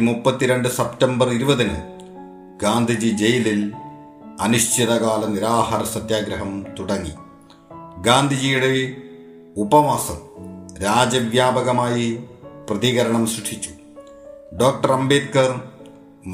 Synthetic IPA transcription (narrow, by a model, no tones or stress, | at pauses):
imupːɐt̪ːiɾe̞ɳɖɨsɐptɐmbɐriɾubɐðinɨ̰ | ɡaːnd̪ʱid͡ʑid͡ʑe̞jilil | ɐnuʂt͡ɕiðɐkaːlɐniɾaːhɐɾɐsɐt̪jaːɡɾɐɦɐmt̪uɽɐŋːḭ | ɡaːnd̪ʱid͡ʑijuɽe̞ | ubɐʋaːsɐmɾaːd͡ʑɐʋjaːbɐɣɐmaːjiprɐðiɣɐɾɐɳɐmɕriʂʰit͡ɕːu̥ | ɖo̞ːk̚ʈɐrɐmbeːt̪̚kɐr | m